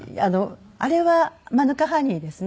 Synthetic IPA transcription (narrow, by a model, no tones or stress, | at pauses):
ano | aɾe̞βamanɯ̟kaɦaɲ̟ʲiːd̪e̞sɨn